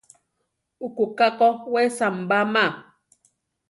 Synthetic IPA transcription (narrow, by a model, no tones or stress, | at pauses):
ukukakɔwɛsam̩bama